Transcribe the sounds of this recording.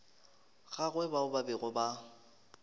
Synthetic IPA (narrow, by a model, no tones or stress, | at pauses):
ɣaɣwɛbaʊbabɪɣʊba